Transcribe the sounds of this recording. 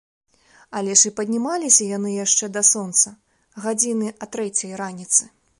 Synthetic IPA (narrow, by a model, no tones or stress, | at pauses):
alʲɛʂɨpɐd̪ʲnʲimalʲisʲɐjanɨjaʂt͡ʂɛd̪ɐsɔnt̪sɐ | ɣad͡zʲinɨɐt̪ɾɛt͡sʲɐjranʲit̪sɨ